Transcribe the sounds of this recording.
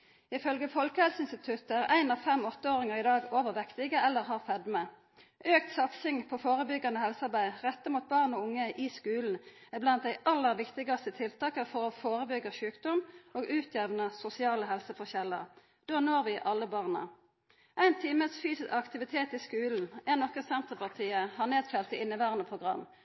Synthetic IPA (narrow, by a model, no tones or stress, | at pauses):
ɪfœlɡəfɔlkəhɛlsəɪnst̪ɪt̪ʰʉt̪æʁæɪnɑːfɛmɔt̪ːəoːʁɪŋəʁɪd̪ɑːɡoːʋəʁʋɛkt̪ɪɡəɛlːəʁɦɑːʁfɛd̪mə | ʔøːkt̪sɑt̪sɪŋpʰoːfoːʁəbʏɡɑnəhɛlsɑʁbæɪʁɛt̪ːəmuːt̪̚bɑʁnoːʊŋːəʔɪskʉːln̩æblɑnt̪̚d̪æɪʔɑlːəʁʋɪkt̪ɪɡɑst̪ət̪ʰɪlt̪ʰɑːkəfɔʁoːfoːʁəbʏɡəʃʉːkd̪ɔmʔoːɡʉːt̪ʰjɛʋnəsʊsɪɑːləɦɛlsəfɔʁçɛlːə̰ʁ | d̪̥oːnoːʁʋɪʔɑləbɑːʁnə̰ | ʔæɪnt̪ʰiːməsfyːsɪsɑkt̪ɪʋɪt̪ʰeːt̪ɪskʉːln̩ænɔkəsɛnt̪əʁpʰɑʁt̪ʰiːəhɑːʁneːd̪fɛlt̪ɪɪnːəʋæːʁənəpʰʁʊɡʁɑ̰mː